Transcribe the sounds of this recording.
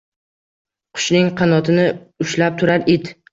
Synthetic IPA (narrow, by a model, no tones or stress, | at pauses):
qʰʊ̥ʃnɪŋqʰɑnɒt̪ʰɪnɪʊʃlap̚t̪ʰʊɾaɾed̪